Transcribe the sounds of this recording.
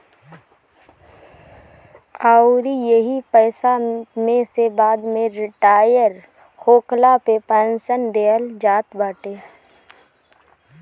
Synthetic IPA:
aːʊɾijəɦipəːsamẽsebaːd̪mẽɾɪʈaːjəɾ | xoːklapepɛːnsənd̪eːəld͡ʒaːt̪baːʈeː

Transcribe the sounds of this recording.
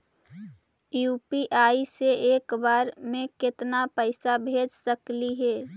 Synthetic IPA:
juːpiʔaːiseʔeːkbaːɾmẽkɪt̪napəɪsabʱeːd͡ʒsəkliɦɛː

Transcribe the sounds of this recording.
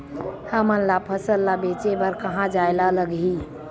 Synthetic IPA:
həmənlapʰəsəlːabet͡ʃebəɾkəɦãd͡ʒaelaləɡi

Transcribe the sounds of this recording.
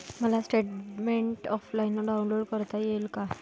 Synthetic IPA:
məlasʈeʈmeɳʈɔflainːɔɖawunloɽkəɾt̪ajelka

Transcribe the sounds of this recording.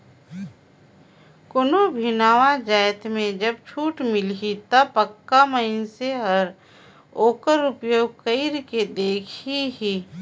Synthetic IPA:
konobʱɪnaːʋad͡ʒaːjt̪mẽd͡ʒɐb̚t͡ʃʰuːʈmɪlit̪apəkːaməɪnseɦɐəɾ | oːkəɾʊpjoːɡ̚kəiɪɾked̪eːkʰiɦiː

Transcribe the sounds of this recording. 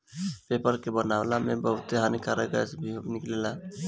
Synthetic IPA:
peːpəɾkebənawlamebəɦʊt̪eɦanikaɾəɡəsbʱionɪklela

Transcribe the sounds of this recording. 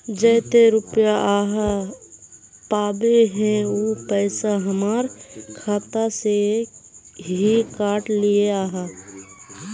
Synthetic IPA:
d͡ʒɛːt̪eɾʊpjaʔaːɦa | paːbeɦɛ̃opɛːsaɦəmaːɾkʰaːt̪ase | ɦikaːʈlieaːɦa

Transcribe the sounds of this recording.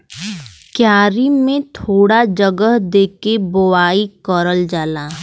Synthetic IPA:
kjaːɾimẽt̪ʰoːɽad͡ʒəɡəɦd̪eːkebʊwaːikəɾəld͡ʒaːlaː

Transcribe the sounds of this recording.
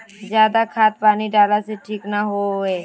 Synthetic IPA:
d͡ʒjaːd̪akʰaːt̪̚paːniɖaːlaseʈʰiːknaɦoeː

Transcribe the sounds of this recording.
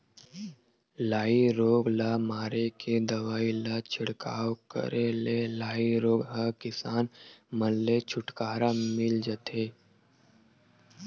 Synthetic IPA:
laːiɾoːɡlaːmaːɾekʰed̪ɐʋaːilat͡ʃʰɪɽka̰ːwkə̰ɾʔelelaːiɾoːɡɦəkɪsaːnməlːet͡ʃʰʊʈkaːɾamɪld͡ʒət̪ʰeː

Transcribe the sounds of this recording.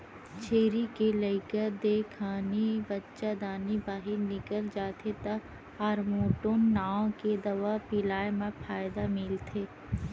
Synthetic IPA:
t͡ʃʰeːɾikelɐɪkəɾd̪eːkʰaːnibɐtːʃad̪aːnibaːɦɪɾnɪkəld͡ʒaːt̪ʰet̪ɐ | aːɾmoːʈoːnːaːõked̪ɐʋapɪlaːjmɐ̃pʰaːɪd̪amɪlt̪ʰeː

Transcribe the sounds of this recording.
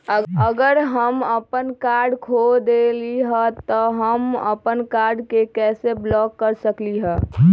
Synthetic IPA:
əɡəɾɦəməpənkaɾɖkʰod̪eliɦət̪ɔɦəmə̰pənkaɾɖkekɛseblɔkːəɾsəkliɦɛ

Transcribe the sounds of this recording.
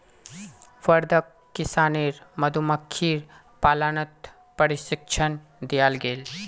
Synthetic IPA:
fəɾd̪ʱəkːɪsaːneɾməd̪ʱuməkʰːiːɾ | paːlanət̪ | pəɾisɪkt͡ʃʰən | d̪ijalɡeːl

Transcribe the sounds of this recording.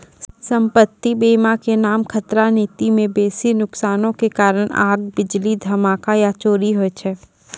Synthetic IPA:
sə̃mpət̪ːibeːmakenaːmkʰɐt̪ɾaniːt̪imẽbeːsinʊksaːnõkekaːɾəɽ̃a̰ːɡ̚bɪd͡ʒlid̪ʱɐmaːkajat͡ʃoːɾiɦoɛt͡ʃʰɛː

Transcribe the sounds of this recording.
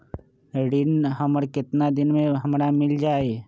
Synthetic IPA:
ɖɪnɦəməɾkɪt̪nad̪ɪnmẽɦəmɾamɪld͡ʒaːe

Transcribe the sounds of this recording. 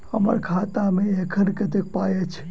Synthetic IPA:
hə̰mə̰ɾkʰaːt̪amẽekʰənkət̪ek̚paːjet͡ʃʰ

